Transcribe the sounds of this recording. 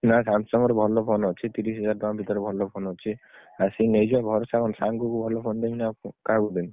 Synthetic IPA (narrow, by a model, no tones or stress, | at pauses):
nasansɔmɔɾebʱɔlopʰɔnɦot͡ʃʰit̪iɾisɦɛd͡ʒaɾbambʱit̪ɔɾebʱɔlopʰɔnɦot͡ʃʰiasinejd͡ʒabʱɔɾsakʰɔnsaŋɡukubʱɔlopʰɔnd̪eminakaɡud̪en